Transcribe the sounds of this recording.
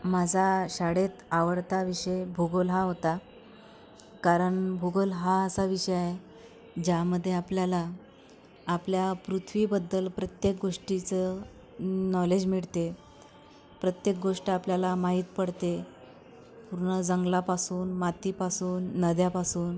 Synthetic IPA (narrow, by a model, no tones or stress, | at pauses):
mad͡zʱaɕaɽet̪aʋəɽt̪aʋiʂəjbʱuɡolɦaɦot̪a | kaɾəɳbʱuɡəlɦaəsaʋiɕəjaɦe | d͡ʑaməd̪ʱːjeapljalaː | pljapɾut̪ʰʋibəd̪ːəlpɾət̪jek̚ɡoʂʈit͡sə | nɔled͡ʑmiɭt̪e | pɾət̪jek̚ɡoʂʈiapljalamaɦiːt̪̚pəɽt̪e | puɾɳəd͡zəŋɡlapasuːnmat̪ipasuːnːəd̪japasuːn